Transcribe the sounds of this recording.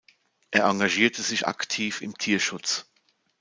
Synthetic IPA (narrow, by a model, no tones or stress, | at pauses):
ʔeːɐʔaŋɡaʒiːɐtʰəzɪçʔa̰ktʰiːfɪ̰mtʰiːɐʃʊt͡s